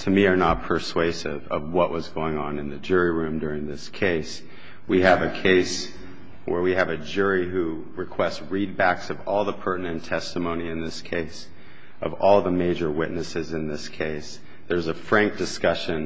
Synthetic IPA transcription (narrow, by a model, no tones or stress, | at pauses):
tʰɨmiə˞nət̚pʰə˞sweɪsɪ̰vʌ̰vwʌʔwʌzɡoʊɪ̃ŋə̃nɨ̃nðɨd͡ʒʊɹiɹʉ̃mdʊɹɪ̃ŋðɪskʰeɪs | wiɨvɨkʰeɪs | wə̰˞wiɨvɨd͡ʒʊɹiɦu | ɹɨkʰw̥ɛstsɹid̚bæksʌvɔlˠðəpʰɜ˞ʔn̩ɨ̃ntʰɛstəmõʊ̃ñiɨ̃nðɪskʰeɪs | ʔʌvɔlˠðəmeɪd͡ʒə˞wɪʔⁿnɨsɨzɨ̃nðɪskʰeɪs | ðə˞zɨfɹæ̃ŋk̚d̥ɨskʌʃɨ̃n